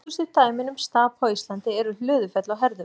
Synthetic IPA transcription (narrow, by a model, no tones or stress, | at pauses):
usʏt̪aːjmɪnʏmst̪aːpɔist̪lant̪ɪɛɾʏl̥ʏːðʏfɛt̪lawɦɛɾðʏ